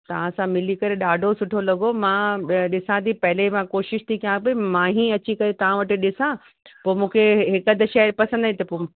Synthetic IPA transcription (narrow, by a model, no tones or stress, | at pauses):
t̪ɐʋ̤ãsãmɪlikɐɾeɗaːɖʱosʊʈʰolɐɡomãːɗɪsãt̪ʰipɐɦɪlemãkoːʃɪʃt̪ʰikʰijãːpemãːɦĩɐt͡ɕikɐɾet̪ɐʋ̤ãʋɐʈɪ̆ɗɪsã | poːmũːkʰeɦɪkəd̪ʃɛpɐsə̃nd̪aĩt̪ɐpoː